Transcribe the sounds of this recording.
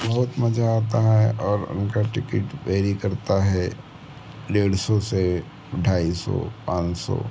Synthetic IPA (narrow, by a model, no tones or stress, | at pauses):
bɐɦʊt̪mɐd͡ʒʱaaːt̪aɦɛɔːɾʊ̰nkaʈɪkɪʈʋeːɾikɐɾt̪aɦɛ | ɖeːɽsɔse | ɖʱaːisɔ̰pãːt͡ʃsɔ̰